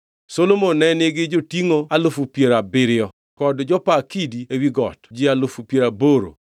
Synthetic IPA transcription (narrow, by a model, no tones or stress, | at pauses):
solomonɛnɪɡɪd͡ʒotiŋoalʊfupjeɾabɪɾɪɔ | kɔdd͡ʒɔpakidiewiɡɔ̰td͡ʒɪalʊfupjeɾaboɾo̰